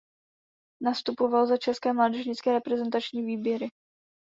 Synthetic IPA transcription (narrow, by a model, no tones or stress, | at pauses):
nast̪upovalzat͡ʃɛskɛːmlaːdɛʒɲɪt͡skɛːɾɛpɾɛzɛnt̪at͡ʃɲiːviːbjɛɾɪ